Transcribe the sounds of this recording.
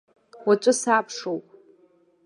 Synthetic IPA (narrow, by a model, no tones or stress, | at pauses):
wat͡ʃʷʼʊsaːpʰʂowpʼ